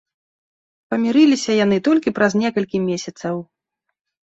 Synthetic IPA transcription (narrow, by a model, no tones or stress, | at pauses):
pɐmʲiɾɨlʲisʲɐjan̪ɨt̪ɔlʲkʲipɾɐznʲɛkɐlʲkʲimʲesʲɐt̪sɐw